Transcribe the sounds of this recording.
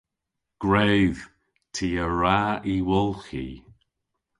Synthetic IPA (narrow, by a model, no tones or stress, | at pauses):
ɡ̥ɹejð̥ | tʰiːəɹaːiwʊlˠxḭ